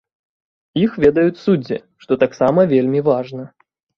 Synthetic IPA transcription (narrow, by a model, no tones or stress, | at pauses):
ixvʲɛd̪ɐjut͡sʲsud͡zʲḭ | ʂt̪ɔt̪aksamɐvʲelʲmʲivaʐnɐ